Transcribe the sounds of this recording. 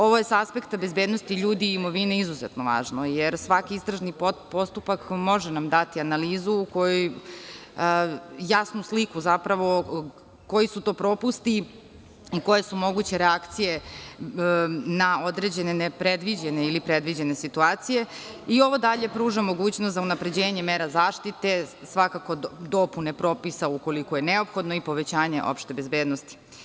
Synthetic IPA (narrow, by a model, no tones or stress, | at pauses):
o̞ʋo̞jesaaspe̞kt̪abezbeːd̪no̞st̪iʎuːd̪iːmo̞ʋineizuzet̪noʋa̰ːʒnojeɾsʋakiist̪ɾaʒnipo̞st̪upakmo̞ʒɛnamd̪at̪ianaliːzuːko̞juj | jasnuslikuzapɾaʋo̞ | ko̞jisut̪o̞ːpɾo̞pust̪i | iko̞jesumo̞ɡut͡ɕe̞ɾeakt̪sije̞ | nao̞d̪ɾed͡ʑenenepɾed̪ʋid͡ʑene̞ilipɾed̪ʋid͡ʑe̞nesit̪uaːt̪sije̞ | io̞ʋo̞d̪aʎe̞pɾuːʒamo̞ɡuːt͡ɕnost̪zaunapɾe̞d͡ʑeːɲe̞meːɾazaːʃt̪it̪e̞ | sʋakako̞d̪o̞punepɾo̞ːpisauko̞likoje̞neo̞pxo̞d̪noipo̞ʋet͡ɕaːɲe̞̰ʔo̞̰pʃt̪e̞bezbeːd̪nost̪i̥